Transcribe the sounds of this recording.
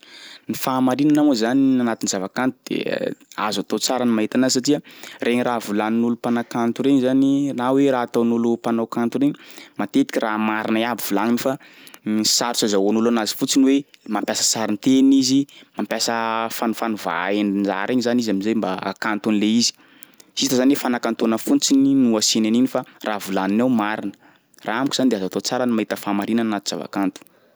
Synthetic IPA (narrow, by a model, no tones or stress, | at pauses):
nifaːmaɾinanawzanianat̪inzavakant̪ud̪̥ḛa̰zat̪ot͡saɾanimaɦit̪anasatiərʔeɲiraːvulaninulupanakant̪uɾeɲizaniraweɾaːt̪onulupanowkant̪uɾeɲimat̪et̪i̥kʲiramaɾinaiabivulaŋinifa | saɾusazaanulanazi̥fut͡sinwemampjasə̥saɾint̪enizimampjasəfanufanuva̰eninza̰ɾeɲizanizaminzajmbaa̰kant̪unileizi̥ | sit̪azanwefanakant̪onəfut͡sininuasinaninifaravulaninawmaɾinə̥ | raamkʲuz̥anid̪eazat̪ot͡saɾənimaɦit̪əfamaɾinənnat̪uz̥a̰va̰kant̪u̥